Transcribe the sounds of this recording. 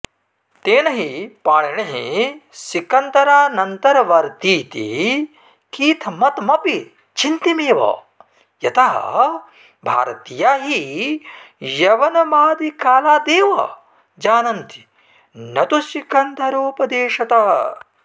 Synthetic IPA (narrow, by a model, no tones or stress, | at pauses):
t̪eːnɐɦipaːɳiɳɐɦḭsikɐnt̪ɐɾaːnɐnt̪ɐɾɐʋɐɾt̪iːt̪ḭ | kiːt̪ʰmɐt̪mɐpi | t͡ʃint̪imeːʋɐ̰ | jɐt̪ɐɦɐ̰ | bʱa̰ːɾɐt̪ijaːɦi | jɐʋɐnɐbaːd̪ikaːlaːd̪eːʋɐ̰ | d͡ʒaːnɐnt̪i̥ | nɐt̪usikɐnt̪ɐɾuːpɐd̪eːʃɐt̪ɐɦɐ̰